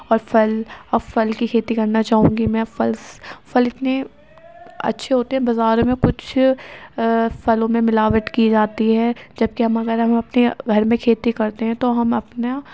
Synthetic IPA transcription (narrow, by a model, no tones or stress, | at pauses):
ɔːɾfʰɐlɐfɐlkikʰeːt̪ikɐɾnat͡ʃaːɦũːɡimɛ̃ːfɐlsfɐlɪt̪ne | ɐ̰tːʃʰeɦoːt̪eɦɛ̃bɐzaːɾõmẽkʊt͡ʃʰ | fʰɐlõmẽmɪlaːʋəʈ̪kiːd͡ʒaːt̪iɦɛːd͡ʒɐb̚keɦɐmɐɡəɾɦɐmɐpneɡʱɐɾmẽkʰeːt̪ikɐɾt̪eɦɛ̃t̪oɦɐmɐpna